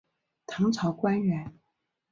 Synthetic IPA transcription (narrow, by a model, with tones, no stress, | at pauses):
t̪ʰɑ˧˥ŋt͡sʰɑ˧˥ʊkwa˥nɥɛ˧˥n